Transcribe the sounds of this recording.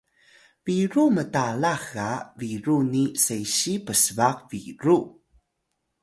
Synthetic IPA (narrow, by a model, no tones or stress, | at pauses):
viɾumətalaxaviɾunisejɕipəsvaqviɾu